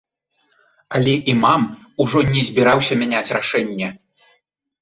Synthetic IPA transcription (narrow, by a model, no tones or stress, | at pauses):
ɐlʲɛʔimam | uʐɔnʲɛzʲbʲiɾawsʲɐmʲɛnʲat͡sʲraʂɛnʲːɛ